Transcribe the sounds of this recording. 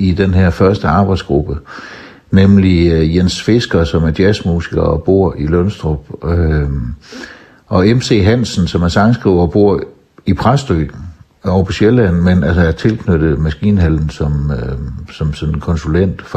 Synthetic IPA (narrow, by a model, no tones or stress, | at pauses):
id̥enɦeɐ̰fɶɐsd̥əɑ̈ːb̥ɑ̈ɪd̥sɡ̥ʁub̥ə | nemlijensfe̝sɡ̥ɐsɒ̽mæɐd̥jæsmuːsiɡ̥ɐɒb̥o̝ɐ̰ilɔnsd̥ʁɔb̥ø | ʔɒ̽emse̝̰ːɦæn̰sn̩sɒ̽mæɐsɑ̈ŋsɡ̥ʁiːʊɒb̥o̝ɐ̰ | ipʰʁasd̥øː | ɒʊpʰɒ̽ɕelæn̩menælsəæɐt͡sʰe̝lkʰnød̥ð̩ˠmæsɡ̥ḭːnɦæln̩sɒ̽m | sɒ̽msɔ̽nn̩kʰɒ̽nsulen̰d̥f